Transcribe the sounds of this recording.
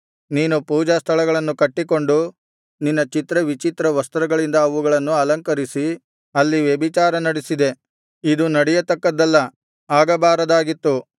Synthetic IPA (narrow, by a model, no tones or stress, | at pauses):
niːnupuːd͡ʒɐst̪ʰɐɭɐɡɐɭɐnːukɐʈːiko̞ɳɖu | ninːɐt͡ʃit̪ɾɐʋit͡ʃit̪ɾɐʋɐst̪ɐɾɐɡɐɭind̪ɐːʋuɡɐɭɐnːuɐlɐŋkɐɾisi | ɐlːiʋjebit͡ʃaːɾɐnɐɽesid̪e̞ | id̪unɐɽɛjɐt̪ɐkːɐd̪ːɐlːɐ | aːɡɐbaːɾɐd̪aːɡit̪ːu